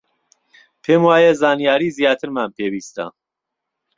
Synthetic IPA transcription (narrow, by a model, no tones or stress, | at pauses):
pʰeːmwaːjɛzaːnijaːɾiːzijaːt̪ʰɨɾmaːnpʰeːwiːst̪ɐ̰